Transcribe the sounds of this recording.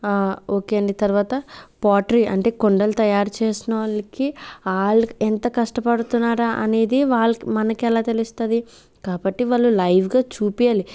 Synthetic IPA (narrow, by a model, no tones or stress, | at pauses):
aːoːkeːɐɳɖit̪ɐɾʋaːt̪ɐpaːʈɐɾiʔɐɳʈe̞ːkoɳɖɐlut̪ɐjaːɾt͡ʃeːsinɐʋlɐkiaːɭːuent̪ɐkɐʂʈɐpɐɽut̪unːaːɾaʔɐne̞ːd̪iʋaːɭːɐkmɐnɐkɛlaːt̪elist̪ɐd̪i | kaːbɐʈːiʋaːɭːulɐjʋɡaːt͡ʃuːpijaːli